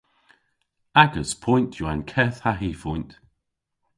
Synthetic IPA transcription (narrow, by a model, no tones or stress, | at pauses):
aɡəz̥pʰɔ̃j̃ntʰjuankʰɛθhaɦifɔj̃nt